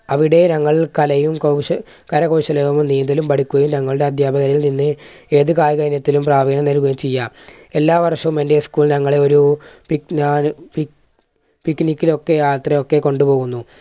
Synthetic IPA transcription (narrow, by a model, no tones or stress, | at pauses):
ɐʋiɽe̞nɐŋːɐɭkɐlɐjumkɐwɕɐ | kɐɾɐkɐwɕɐlɐʋumniːnd̪ɐlumpɐɽikʲːuɣɐjumnɐŋːɐɭɨɽe̞ɐd̪ʱjaːbɐɣɐɾɐjilninːɨe̞ːðɨkaːjɣɐɾnjɐt̪ːilumpraːʋɐɡɐnɐnɐluɣuɐjumt͡ɕejːaː | e̞lːaːʋɐrʂɐʋume̞ndeskuːɭnɐŋːɐɭe̞o̞ɾupinaːpi | pikːnikʲːilo̞kːe̞aːɭt̪rɐo̞kːe̞ko̞ɳɖupo̞ːɣunːu